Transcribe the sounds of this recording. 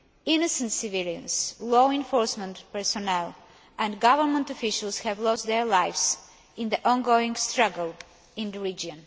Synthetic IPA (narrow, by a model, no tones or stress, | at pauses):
ɪnɔsə̃ntsɪviliə̰̃nslɔɪ̃nfɔɹsmə̃ntpɛɹsɔnɛl | ɛ̃ndɡavəɾmə̃ntɔfɪʃəlˠshɛvlɔstd̪ɛɹlajfs | ɪ̃nðəʔɔ̃nɡoɪ̃ŋstɹʌɡəlˠ | ɪ̃ndəɹid͡ʒɔ̃n